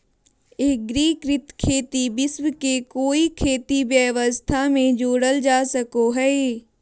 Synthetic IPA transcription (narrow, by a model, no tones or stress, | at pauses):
eːɡɾiːkɾɪt̪kʰeːt̪ibɪswkekoːikʰeːt̪ibjəʋəst̪ʰamẽd͡ʒoːɽəld͡ʒaːsəkoɦɛe